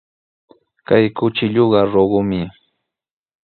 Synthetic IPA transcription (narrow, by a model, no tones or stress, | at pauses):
kajkʊt͡ʃɪʎoɢɑɾoɢʊmɪ